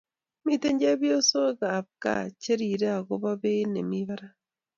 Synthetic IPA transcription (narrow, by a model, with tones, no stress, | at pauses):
mi˦te˦ɲd͡ʒe˦βjo˦so˦ɣa˨b̚ka̰˦˨t͡ʃe˦ɾi˨ɾe˦a˨ɣo˦βa˦βe˦ne˨mi˦βa˦ɾa˦